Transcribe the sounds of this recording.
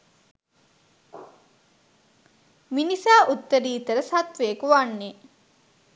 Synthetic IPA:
minisaːʔut̪ːəɾiːt̪əɾəsat̪ʋejəkuʋanːe

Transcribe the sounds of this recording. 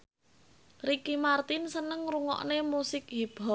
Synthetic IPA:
rikimart̪ɪnsənəŋruŋɔ̰ʔnemusɪkɦib̥ɔ

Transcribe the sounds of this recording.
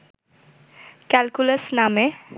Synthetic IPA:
kɛlkulesname

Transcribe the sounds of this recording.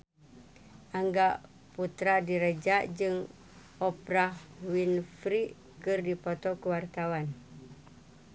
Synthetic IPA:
ʔaŋɡaʔ | put̪ɾadiɾəd͡ʒaʔd͡ʒɨŋ | ɔpɾahwinfɾiʔ | kɨrdipot̪ɔkəwart̪awan

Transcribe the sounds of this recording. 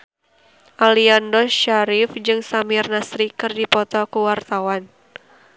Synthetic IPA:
ʔaliandɔʃaɾɪfd͡ʒɨŋsamɪrnasɾikɨrdipɔt̪ɔkuwart̪awan

